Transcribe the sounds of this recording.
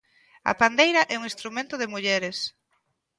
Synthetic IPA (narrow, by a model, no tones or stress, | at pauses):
ɐ̰pand̪ejɾɐʔɛuŋĩst̪ɾumẽnt̪ʊðɪmuʎɛɾɪs